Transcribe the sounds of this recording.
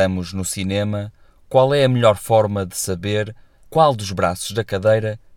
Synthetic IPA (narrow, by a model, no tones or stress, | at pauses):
ɐmuʒnusinemɐ | kwalˠɛɐmɨʎɔɾfɔɾmɐðɨsɐβeɾ | kwalˠd̪uʒβɾasuʒðɐkɐðejɾɐ